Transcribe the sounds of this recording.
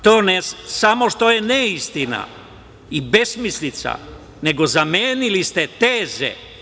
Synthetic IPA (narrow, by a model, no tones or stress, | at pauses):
t̪oːnesamo̞ʃt̪o̞jeneist̪ina̰ | ibe̞smislit̪sa̰ | ne̞ɡo̞zameːnilist̪et̪eːzḛ